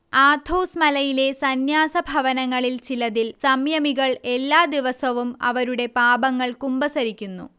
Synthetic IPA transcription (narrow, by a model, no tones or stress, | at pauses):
aːd̪ʱoːsmɐlɐjile̞sɐnjaːsɐbʱɐʋɐnɐŋːɐɭilt͡ɕilɐðilsɐmjɐmiɣɐɭe̞lːaːd̪iʋɐsɐʋumɐ̰ʋɐɾuɽe̞paːbɐŋːɐɭkumbɐsɐɾikʲːunːṵ